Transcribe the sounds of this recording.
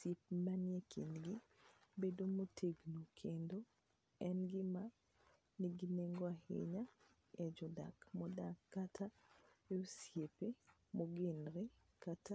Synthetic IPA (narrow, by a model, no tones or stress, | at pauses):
sip̚manjekʰɪ̰nɡɪbedomotʰeɡnokʰendo | ɛnɡɪma | niɡineŋɡoahɪ̰ɲa | ɛd͡ʒɔda̰kmɔdakːatʰaeosjepe | moɡɪnɾe | kata